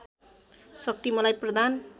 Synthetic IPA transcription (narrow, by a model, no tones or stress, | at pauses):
sʌk̚t̪imʌlajprʌd̪an